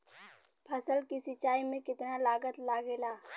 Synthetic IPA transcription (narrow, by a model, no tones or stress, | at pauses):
pʰɐsəlkisɪt͡ʃaːimẽkɪt̪nalaːɡət̪laːɡeːlaː